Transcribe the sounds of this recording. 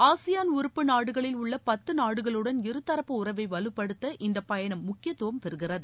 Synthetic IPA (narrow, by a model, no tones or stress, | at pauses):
aːsɪjaːnʊɾɯpːɯnaːɽɯɣɐɭɪlʊɭːɐpɐt̪ːɯnaːɽɯɣɐɭɯɽɐnɪɾɯt̪ːɐɾɐpːɯʊrɐʋɐɪʋɐlɯpːɐɽɯt̪ːɐʔɪnd̪ɐpɐjɐnɐmːʊkːɪjɐt̪ːɯʋɐmpɛɾɯɣɪrɐðɯ